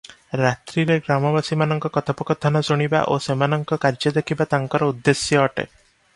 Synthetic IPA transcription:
ɾat̪ɾiɾeɡɾamɔbasimanɔŋkɔkɔt̪ʰapɔkɔt̪ʰanɔsuɽ̃iba̰ʔosemanɔŋkɔkaɾd͡ʒɔd̪ekʰibat̪aŋkɔɾɔud̪ːesjɔːʈḛ

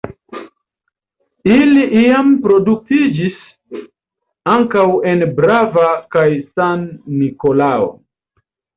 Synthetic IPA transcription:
iliʔiampɾo̞duk̚tid͡ʒis | aŋkawe̞nbɾavakajsanːiko̞lao̰

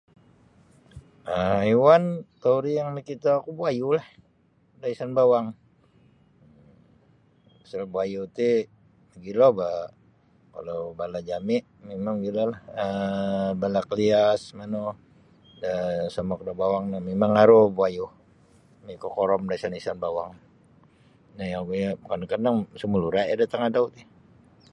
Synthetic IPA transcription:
əiwant̪auɾijaŋnikit̪aːkubuajulah | daisanbawaŋ | asalbuajut̪i | ɡiloba | ka̰lawbalad͡ʒamɪʔ | memaŋɡilalahəbalakəliasmano | dasamɔk̚dabawaŋnamemaŋaɾobuaju | mikokɔɾɔmdaisanaisanbawaŋ | najaŋɡuɲakankanaŋsəmuluɾaadat̪aŋadaut̪ɪh

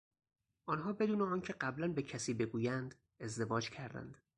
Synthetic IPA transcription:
ʔɒːnɦɒːbe̞d̪uːneɒːncʰe̞ɢæblænbe̞cʰæsiːbe̞ɡuːjænd̪ | e̞zd̪e̞vɒːd͡ʒcʰæɾd̪æ̰nd̪̥

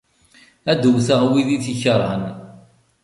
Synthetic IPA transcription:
æd̪uwθəʁwiðiθiçəɾˤːə̰n

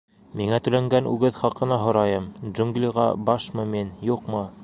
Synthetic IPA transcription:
miŋæt̪ɵ̆læŋɡænʉ̰ɡɘðχɑqɤ̆nɑɦŏɾɑjɤmʒuŋɡlʲiʁɑ̰bɑʃmɤminjuqmɤ

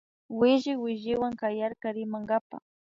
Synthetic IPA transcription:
wɪʒɪwɪʒɪwaŋkajaɾkaɾɪmaŋɡapa̰

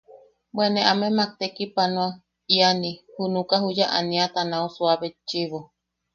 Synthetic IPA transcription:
bwenẽʔamẽmak̚t̪ekipanõa | ianihunukaɦujaʔa̰nĩat̪anausuaβet͡ʃiβo

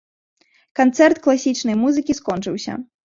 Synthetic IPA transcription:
kant̪sɛrt̪klˠasʲit͡ʂnɐjmuzɨkʲiskɔnt͡ʂɨwsʲɐ̰

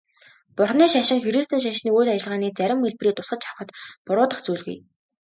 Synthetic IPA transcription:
pʊrχniːʃaʃɪ̆ŋxeɾist̪ʰiːŋʃ̬aʃniːujɮat͡ɕɪ̆ɮʁaːniːt͡sæɾʲɪ̆mːeɮpriːt̪ʊsɢə̆t͡ɕʰawχə̆t̪pʊɾʊːt̪ə̆χt͡suːɮɣṵj

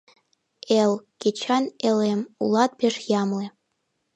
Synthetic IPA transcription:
elˠkʲet͡ɕʰɑnelemṵlˠɑt̪̚pʲeʃjɑmle

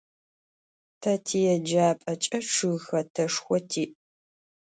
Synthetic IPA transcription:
tʰɐtʰijɛd͡ʒaːpʼɐt͡ʃʼɐʈ͡ʂʰɨɣxɐtʰɐʂxʷɔtʰiːʔ

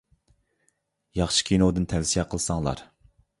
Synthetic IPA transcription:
jɑχʃi̥kʲʰinod̪ɨnt̪ʰɛvsijɛqʰəlˠɨsɑŋlˠɑ̰ɾ

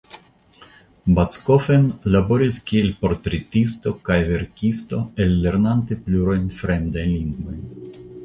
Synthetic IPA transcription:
bat͡sko̞fenlabo̞ɾiskie̞lpo̞ɾt̪ɾetisto̞kajve̞ɾkisto̞e̞lːe̞ɾnante̞pluɾo̞jnfɾe̞md̪ajnliŋɡvo̞jn

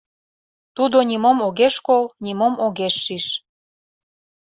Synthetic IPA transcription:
t̪ud̪onʲimomoɣeʃkolnʲimomoɣeʃːiʃ

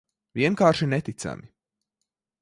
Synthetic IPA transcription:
viɛnkaːɾʃinɛt̪it̪sa̰mi

